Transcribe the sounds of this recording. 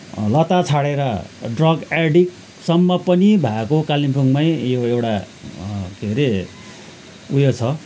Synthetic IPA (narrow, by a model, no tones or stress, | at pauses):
lʌt̪at͡sʰaɽeɾʌɖrʌɡeɖik̚ | sʌmːʌpʌnibʱaekokalimpʰuŋmajjoewʈa | ɡʱeɾe | ujot͡sʰʌ